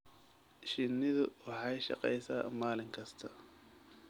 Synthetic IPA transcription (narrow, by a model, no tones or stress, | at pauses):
ʃɪnɪðʊwɑħɑjʃɑ̰qɛ̰jsa̰ːmaːlɪŋkʰɐst̪ʰɐ